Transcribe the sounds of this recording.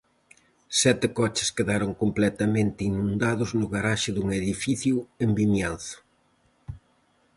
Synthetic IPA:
sɛt̪ɪkɔt͡ʃɪ̥skeðaɾoŋkomplɛt̪ɐmẽnt̪ɪinũnd̪aðʊznʊɣaɾaʃɪðuŋeðifiθjʊembimjanθʊ̥

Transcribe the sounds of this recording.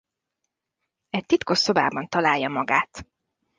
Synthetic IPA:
ɛc̚t̪it̪ko̞ʃo̞ba̰ːbɒnt̪ɒlaːjːɒmɒɡaːt̪

